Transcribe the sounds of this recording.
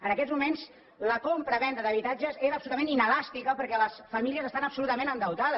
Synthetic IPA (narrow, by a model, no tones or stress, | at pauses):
ənəkɛzmumenz | ləkompɾəβɛnd̪əðəβit̪ad͡ʒəzeɾəpsulut̪mẽninəlast̪ikəpəɾkɛləsfəmiliəzəst̪anəpsulut̪əmẽnənd̪əwt̪aðə